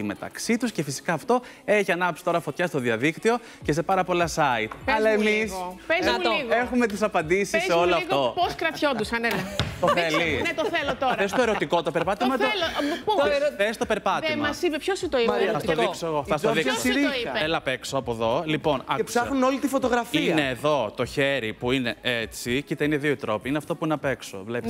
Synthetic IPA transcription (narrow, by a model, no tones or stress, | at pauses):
ime̞t̪ɐ̰ksit̪usce̞fisi̥kɐːft̪o̞ | e̞çiɐnɐɐpsi̥t̪o̞ɾɐfo̞t̪çɐst̪o̞ðiɐðikt̪io̞ | cese̞pɐɾɐpo̞lɐsɐit̪pɐlɐemlispezmuliɣexumet̪̬isɐpɐnd̪isissːeo̞loɐfɣoposkɾɐt̪çond̪usɐnelɐt̪oθelinet̪oθelot̪oɾɐes̬t̪oeɾo̞t̪iko̞t̪o̞pe̞ɾpɐt̪imɐt̪olo | θest̪ope̞ɾpɐtðeimɐsipepçosit̪oiɐiɐftt̪oðiksoeɣofɐst̪oðisɾioiɐeelɐpeksoɐpoðo̞lipo̞nɐ̰psɐxnunolit̪ifot̪oɣɾɐfineːðo̞t̪oçeɾipuine̞ʔet͡sicit̪eineðioit̪ɾo̞piineɐft̪o̞puinɐpekso̰vlepi